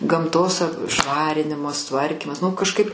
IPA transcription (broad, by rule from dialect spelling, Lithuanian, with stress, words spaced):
ɡɐmˈtoːs ˈʃʋɑːrʲɪnʲɪmɐs ˈtʋɐrʲkʲiːmɐs nʊ kɐʃˈkɐɪp